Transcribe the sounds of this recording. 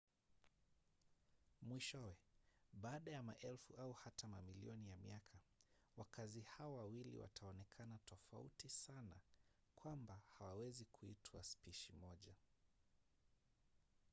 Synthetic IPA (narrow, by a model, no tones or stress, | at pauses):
mwiʃɔwɛɓaːɗajamaʔɛlfuʔauhatamamilḭɔnijamiakʰa | wakʰazihaɔwawilḭwa̰tʰaɔnɛkʰanatʰɔfa̰ṵtisana̰ | kwambahawawɛzikʰuitwaspiʃimɔʄa